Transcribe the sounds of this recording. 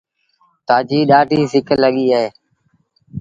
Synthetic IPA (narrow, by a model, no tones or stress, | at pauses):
t̪aːd͡ʒiːɗaːɖʱiːsɪkəlːəɠiːəɦeː